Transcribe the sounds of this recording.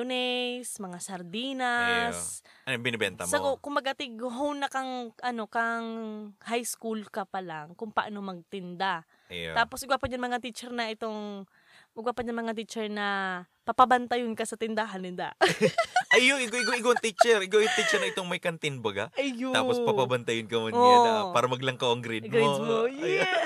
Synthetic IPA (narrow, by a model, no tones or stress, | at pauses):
ʊnɛsmɐŋasɐɾd̪iːnɐsnobɪnɪbɛ̰nt̪ɐ̰msɐɡokʊmɐɡɐt̪ɪɡɦownɐkɐŋʔɐno̞kɐŋhajskulkɐpɐlaŋkʊŋpɐʔanomɐɡ̚t̪ɪnd̪a | aːposʔɪɡwapɐɲanmɐŋat̪it͡ʃɛɾnɐʔɪt̪oŋ | ɪɡwapɐɲanmɐŋat̪it͡ʃɛɹnɐ | pɐpɐbɐnt̪ɐjʊnkɐsɐt̪ɪnd̪aɦɐnɪnd̪a̰ | ʔɐjjoŋɪkaɪɡaʔɪɡawɐŋt̪it͡ʃɛɾʔɪkawɪt̪it͡ʃɛɾnɐʔɪt̪oŋmɐjkɐnt̪ɪnbɐɡa̰ʔɐjoa̰ːpospɐpɐbɐnt̪ɐjʊnkɐmɐoaaːɾɐmɐɡlɐŋkawʔɐŋɡɾɪd̪ɡɾod̪mojɛ